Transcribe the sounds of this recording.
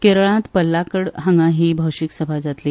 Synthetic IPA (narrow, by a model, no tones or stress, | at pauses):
keɾɭãt̪pəlːakəɽɦəŋɡãɦiːbʱəwɕiksəbʱad͡zat̪li